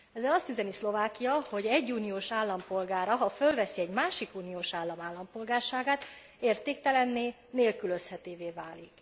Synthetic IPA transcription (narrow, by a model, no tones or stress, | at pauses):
ɛzːɛlɒst̪yzɛnislo̞vaːkijɒho̞ɟɛɟːuːnijoːʃaːlːɒmpo̞lɡaːɾɒɦɒfølvɛsiɛɟmaːʃikuːnioːʃaːlːɒmaːlːɒmpo̞lɡaːrʃaːɡaːt̪ | eːrt̪eːk̚t̪ɛlɛnːeː | neːlkylø̞shɛt̪eːveːvaːlik